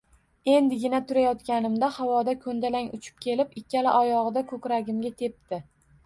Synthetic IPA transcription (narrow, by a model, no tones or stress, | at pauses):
e̞nd̪ɪɡʲɪnat̪ʰʊɾajɒt̪kʲanɪmd̪ahawɒd̪akʰɵnd̪alaŋʊt͡ʃʰɪ̥p̚kʲʰe̞lɪpɪkʲːalɪʔɒjɒʁɨd̪akʰɵkʲɾaɡʲɪmɡʲat̪ʰe̞p̚t̪ɪ